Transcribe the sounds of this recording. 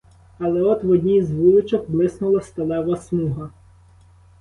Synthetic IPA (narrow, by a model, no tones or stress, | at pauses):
ɐlˠɛɔt̪ʋɔdʲnʲizʋuj̪ʊt͡ʃɔxblˠɪsnʊlˠɐst̪ɐlˠɛʋɐsmuɦɐ